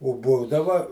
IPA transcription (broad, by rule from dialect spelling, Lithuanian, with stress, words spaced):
oː ˈbuːdɐʋɐ